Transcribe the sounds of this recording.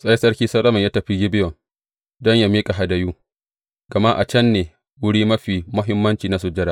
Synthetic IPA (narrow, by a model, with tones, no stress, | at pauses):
sʼɐ˦je˦sɐ˦ɽkʲiː˦sɐ˦ɗɐ˦mɐ˨ɲjaː˦tɐ˨ɸi˦ɡʲɪ˦bɪ˦jɔ˨ŋ | dɔ˦ɲja˦miː˦kʼa˨ɦa˨dɐ˨juː˦ | ɡ̥ɐ˨ma˦ʔa˨t͡ʃɐ˦nːeː˨ | wʊ˦ɽiː˦mɐ˦ɸiː˨mʊ˦ɦɪ˦mːɐ˦nt͡ʃiː˨na˦su˨d͡ʒɪ˦ɽaː˦